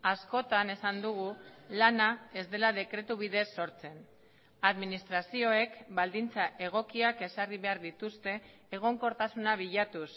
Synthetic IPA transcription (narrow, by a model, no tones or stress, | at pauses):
asko̞t̪ane̞sand̪uɣulanae̞zd̪e̞laðe̞kɾe̞t̪uβ̞iðe̞sːo̞ɾt͡se̞n | aðminist̪ɾasio̞e̞kbald̪int͡saʔe̞ɣ̞o̞kiake̞sariβe̞aɾðit̪ust̪e̞ː | ɣ̞o̞ŋko̞ɾt̪asunaβ̞iʎat̪us